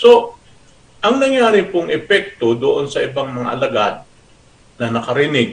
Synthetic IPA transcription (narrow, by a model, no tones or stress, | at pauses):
so̞ | ʔɐŋnɐŋjaːɾɪpoŋɛpɛk̚t̪o̞d̪oʔonsɐʔɪbaŋmɐŋa̰ʔɐlɐɡad̪̚ | nɐnɐkɐɾɪnɪɡ̚